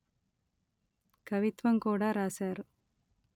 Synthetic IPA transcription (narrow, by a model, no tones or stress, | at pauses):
kɐʋit̪ʋɐmkuːɽaːɾaːsaːɾu